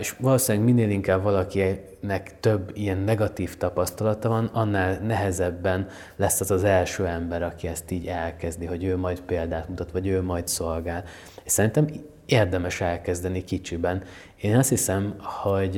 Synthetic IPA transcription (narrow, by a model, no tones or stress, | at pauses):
eʃvɒloːsinːɛɡminːeːliŋkaːbvɒlɒki | nɛkt̪ø̞bːijɛnːɛɡɒt̪iːft̪ɒpɒst̪ɒlɒt̪ɒvɒnɒnːaːlnɛɦɛzɛbːɛn | lɛsːɒzɒzɛlʃøːɛmbɛɾɒkiɛst̪iːɟɛlkɛzd̪iɦo̞ɟøːmɒjt̪peːld̪aːt̪mut̪ɒt̪ʋɒɟøːmɒjt̪so̞lɡaːl | eʃsɛɾint̪ɛm | eːrd̪ɛmɛʃɛlkɛzd̪ɛnikit͡ʃibɛn | eːnɒst̪hisɛmho̞ɟ